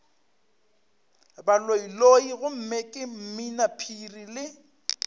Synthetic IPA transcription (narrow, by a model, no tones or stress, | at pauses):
baloiloiɣʊm̩mekʼɪm̩minapʰirilɪ